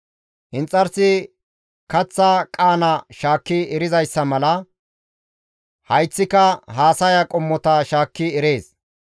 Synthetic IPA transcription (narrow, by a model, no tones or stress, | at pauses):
hɪnt͡sʼːɐɾsɪ | kɐt͡sːakʼaːnɐʃaːkːɪːɾɪzɐjsːɐmɐlɐ | hɐjt͡sːɪkɐɦaːsɐjɐkʼɔmːɔt̪ɐʃaːkːɪɛɾe̞ːs